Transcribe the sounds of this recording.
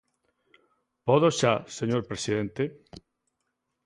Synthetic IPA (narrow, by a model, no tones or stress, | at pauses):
pɔðoʃaseɲoɾpɾesiðẽnt̪e